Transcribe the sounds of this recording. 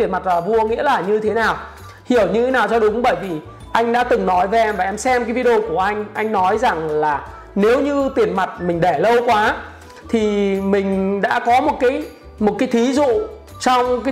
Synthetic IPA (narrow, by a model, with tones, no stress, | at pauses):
i˨˩ənma˨˩t̚laː˨˩vu˧əŋḭ˧˥əlaː˨˩ɲɨ˧t̪ʰe˨˦naː˨˩w | hi˧˩əwɲɨ˧e˨˦naː˨˩wt͡ɕɔ˧ɗʊ˨˦ŋ͡mɓəː˧˩jvi˨˩ | ʔa˧jŋ̟ɗa̰ː˧˥t̪ɨ˨˩ŋnɔ˨˦jve˨˧˦ʔɛ˧mvaː˨˩ʔɛ˧msɛ˧mkaː˨˦jvi˧ə˧o˧ku˧˩əʔa˧jŋ̟ʔa˧jŋ̟nɔ˨˦jza˨˩ŋlaː˨˩ | ne˨˦wɲɨ˧t̪i˨˩ənma˨˩t̚mï˨˩ŋ̟ɗe˧˩lə˧wkwaː˨˦ | t̪ʰi˨˩mï˨˩ŋ̟ɗa̰ː˧˥kɔ˨˦mo˨˩t̚kaː˨˦j | mo˨˩t̚kaː˨˦jt̪ʰi˨˦zṵ˧˨ | t͡ɕɔ˧wŋ͡mkaː˨˦